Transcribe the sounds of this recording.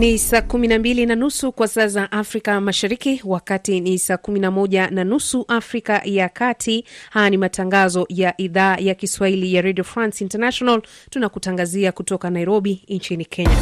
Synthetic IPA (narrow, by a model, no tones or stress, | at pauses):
nisakuminambilinanusukwasasaʔafɾikamaʃaɾikiwakatinisaːkuminamɔʄananusuʔafɾikajakatʰihajanimataŋɡazɔjaʔiðaːjakiswahilijaɾediɔfɾansintanaʃɔnaltunakutaŋɡaziakutɔkanaiɾɔɓiɲt͡ʃinikʰɛɲa